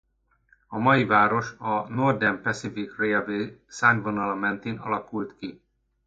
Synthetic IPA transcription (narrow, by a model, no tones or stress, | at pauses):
ɒmɒjivaːɾo̞ʃɒno̞rd̪ɛmpɛsifikreɛveːsaːnvonɒlɒmɛnt̪iːnɒ̰lɒkult̪ki